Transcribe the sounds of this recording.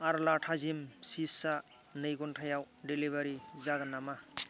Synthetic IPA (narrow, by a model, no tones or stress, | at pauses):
aɾlaʈʰazimsisa | nɯjɡonʈʰajaw | ɖelibaɾizaɡnama